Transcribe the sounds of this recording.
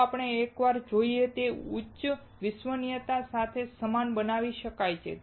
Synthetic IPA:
apɳ̃eːkʋaɾd͡ʒoiet̪eʊtːʃə | ʋɪsʋənijət̪asat̪ʰesəmanbənaʋiʃəkajt͡ʃʰḛ

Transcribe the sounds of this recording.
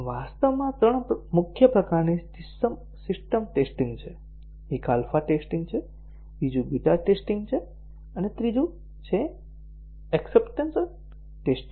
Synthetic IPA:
ʋast̪əʋmãt̪ɾəɳmʊkʰjəpɾəkaɾnid͡ʒɪsːəm | sɪsʈəmʈesʈĩŋɡt͡ʃʰe | ikalfaʈesʈĩŋɡt͡ʃʰe | bid͡ʒũbid̪ʱaʈesʈĩŋɡt͡ʃʰe | ənet̪ɾid͡ʒũ | t͡ʃʰe | ɛksepʈənsəl | ʈesʈĩŋ

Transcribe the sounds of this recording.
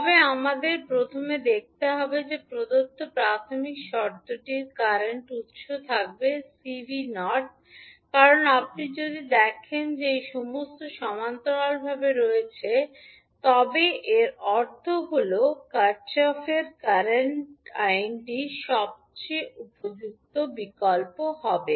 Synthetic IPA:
ɔbeamad̪eɾpɾot̪ʰomed̪ek̚ʰt̪eɦɔbed͡ʑepɾod̪ot̪ːopɾat̪ʰomikʃɔɾd̪oʈiɾkaɾeɳʈut̪ʃot̪ʰak̚besibʱinɔʈ̚ | kaɾonap̚nid͡ʑod̪id̪ɛkʰend͡ʑeejʃɔmost̪oʃɔmant̪oɾalbʱabeɾoet͡ɕʰe | t̪ɔbeʔeɾɔɾt̪ʰoɡulokaɾt͡ɕɔfeɾkaɾeɳʈajnʈiʃɔb̚t͡ɕejʔupod͡ʑuk̚t̪obikɔlpoɦɔbe

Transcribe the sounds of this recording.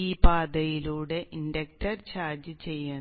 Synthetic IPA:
iːpaːd̪ɐjiluːɽe̞ʔinɖɐk̚ʈɐrt͡ɕaːrd͡ʑɨt͡ɕe̞jːɐ

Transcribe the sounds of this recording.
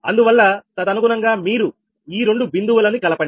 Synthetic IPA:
ɐnd̪uʋɐlːɐt̪ɐd̪ɐnuɡunɐŋɡaːmiːɾu | iːɾe̞ɳɖubind̪uʋɐlɐnikɐlɐpɐɳ

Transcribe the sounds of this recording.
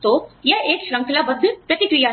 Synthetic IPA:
t̪oːjɐeːkʃɾə̃ŋklabəd̪ʱːəpɾɐt̪ikɾija

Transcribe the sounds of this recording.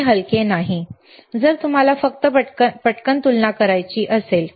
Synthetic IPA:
ɦəlkenaɦi | d͡zəɾt̪um̤alafək̚t̪əəpəʈkənt̪ulnakəɾajt͡ɕiːʔəsel

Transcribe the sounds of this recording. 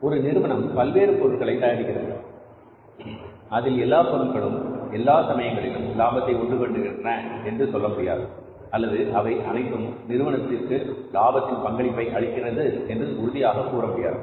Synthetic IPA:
ɔɾɯnɪɾɯʋɐɳɐmpɐlʋeːɾɯpɔɾɯɭɣɐɭɐɪt̪ɐjaːɽɯkːɪrɐɪnɡɐ̰ɭ | ɐðɪlɛlːaːpɔɳɐŋɡɐɭɯ̰mɛlːaːsɐmɐjɐŋɡɐɭɪlɯmlaːbɐt̪ːɐɪɔɳɖɯkɔɳɖɯɣɪndrɐɛndrɯt̪ɔlːɐmɐɽɪja̰ːɾ | ɐlːɐðɯʔɐʋɐɪʔɐnɐɪt̪ːɯmnɪɾɯʋɐnɐt̪ːɪrkɯlaːbɐt̪ːɪnpɐŋɡɐɭɪpːɐɪʔɐɭɪkːɪrɐðɯɛndrɯʊɾɯðɪjaːɣɐkuːrɐmɽja̰ːð

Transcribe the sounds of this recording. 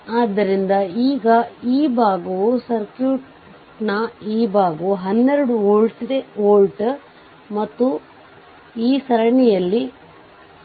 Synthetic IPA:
aːd̪ːɐɾind̪ɐiːɡɐiːbʱaːɡɐʋusɐɾkjuːʈ | nɐiːbʱaːɡɐʋuɦɐnːɛɾɐɽuoːɭʈd̪eoːɭʈ | mɐt̪ːu | iːsɐɾɐɳɛjɐlːi

